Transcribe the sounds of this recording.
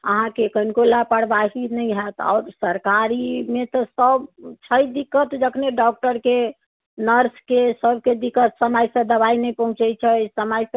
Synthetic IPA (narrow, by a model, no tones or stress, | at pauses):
ə̰ɦãkekənkolapəɽbaɦinɛjɦɛt̪ɔ̰ːɾsəɾkaɾimet̪ɔsəbt͡ʃʰəjd̪ikət̪d͡ʒəkʰneɖɔk̚ʈəɾke | nəɾskesəbked̪ikət̪səməjsə̃d̪əβainɛjpəɦũt͡ʃɛt͡ʃʰəsəməjs